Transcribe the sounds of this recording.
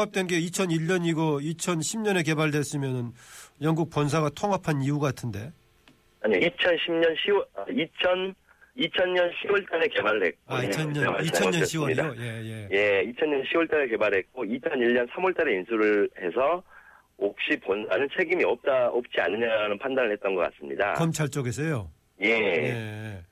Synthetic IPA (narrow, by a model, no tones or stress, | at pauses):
ŋap̚t͈wenɡe̞it͡ɕʰʌniʎːʌɲiɡoit͡ɕʰʌnɕʰimɲʌne̞ke̞baɭde̞s͈ɯmjʌnɯnjʌŋɡuk̚p͈ʌns̬ʰaɡatʰoŋapʰaniuɡatʰɯnde̞ | aɲiit͡ɕʰʌnɕʰimɲʌnɕʰiwʌit͡ɕʰʌn | it͡ɕʰʌnɲʌnɕʰiwʌɭt͈aɾe̞ke̞baɾɭɾe̞̰k̚kk͈oaiʌʌit͡ɕʰʌɲʌnɕʰiwʌidoje̞jeje̞it͡ɕʰʌɲɲʌnɕʰiwʌɭt͈aɾeke̞baɾɯɭɦe̞t̚k͈oit͡ɕʰʌniʎɲʌnsʰamʌɭt͈aɾe̞insʰuɾɯɭhe̞sʰʌ | op̚ɕ͈iponsʰanɯnt͡ɕʰe̞ɡimiʌp̚t͈aʌp̚t͡ɕ͈ia̰nːɯɲaɾanɯnpʰandanɯɭhe̞t̚t͈ʌnɡʌk͈a̰s͈ɯmɲḭda̰kʌmt͡ɕʰaɭt͡ɕ͈ʌɡes̬ʰʌjo | je